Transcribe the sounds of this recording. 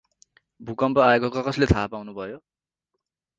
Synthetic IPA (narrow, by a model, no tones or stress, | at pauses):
bʱukʌmpʌajekʌkakʌslet̪ʰapawnubʱʌjo